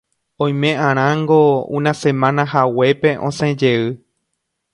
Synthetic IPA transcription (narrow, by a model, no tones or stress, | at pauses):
õj̃mẽʔãɾ̃ãŋɡoṵ̃nãsẽmãnãɦawe̞pe̞ʔõsẽd͡ʒe̞ɨ